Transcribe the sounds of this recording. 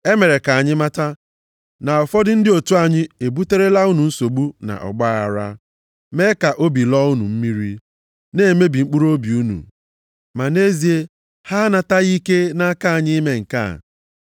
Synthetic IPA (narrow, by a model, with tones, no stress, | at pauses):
e˦me˨ɾe˨ka˨a˨ɲɪ˦ma˦ta˦ | na˨ɔ˨fɔ˦dɪ˦n̩˦dɪ˦o˨tu˦a˨ɲɪ˦e˨bu˦te˦ɾe˦la˦u˦nu˨n̩˦so˨ɡ͡bu˦na̰˨ʔɔ̰˨ɡ͡ba˦a˨ɾa̰˦ | me˦ka˨ʔo˦bi˨lɔ˦u˦nṵ˨m̩˦mi˦ɾi˦ | ne˦˨me˦bi˨ŋ͡m̩˦k͡pu˦ɾo˦bi˨u˦nṵ˨ | ma˨ne˦zi˨e˦ | ha˦na˨ta˦ɣi˦ke˦na˦ka˦a˨ɲɪ˦me˦ŋ̩˨ka̰˦˨